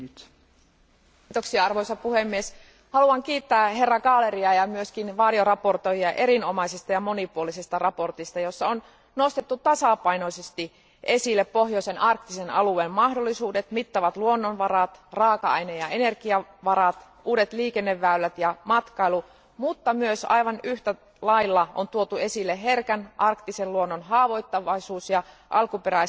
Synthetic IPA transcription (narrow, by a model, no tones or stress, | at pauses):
t̪oksiɑɑrʋojsɑpuhemːies | hɑluɑŋkiːt̪ːæːɦerːɑɡɑːle̞ɾiɑjɑmyøskinʋɑːdio̞rɑpo̞rt̪ojiɑʔe̞ɾinomɑisest̪ɑjɑmo̞nipuolisest̪ɑrɑpo̞rt̪ist̪ɑjo̞sːɑon | no̞st̪et̪ːut̪ɑsɑpɑinosest̪i | ʔe̞silːeppo̞ɦjoisenɑrkt̪isenɑ̰lueːmmɑhdolːisuːdet̪mit̪ːɑʋɑt̪luonːonʋɑɾɑt̪rɑːkɑɑinejɑenerkiɑʋɑɾɑt̪ | uːdet̪liːkenːeʋːæylːæt̪jɑmɑt̪kɑilu | mut̪ːɑmyøsɑ̰iʋɑnyht̪æ | lɑilːɑʔont̪uot̪ue̞silːeɦerkænʔɑrkt̪iselluonːonɦɑːʋo̞it̪ːɑʋɑisuːsjɑ | ʔɑlkupeɾæ